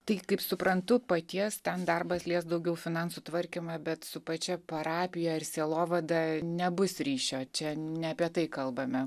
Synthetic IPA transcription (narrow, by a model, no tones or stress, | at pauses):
t̪ɐɪkɐɪpsʊpɾɐnt̪ʊpɐt̪ʲiɛst̪ʲɛnd̪ɐrbɐslʲiɛsd̪ɐʊɡʲɛʊfʲɪnɑnsut̪ʋɐɾʲkʲɪmɐbʲɛt̪sʊpɐt͡ʃʲɛpɐɾɑːpʲɪjɛɪrsʲeːlˠoːʋɐd̪ɐnʲɛbʊsɾʲiːʃʲoːt͡ʃʲɛnʲɛɐpʲiɛt̪ɐɪkɐlˠbɐmʲɛ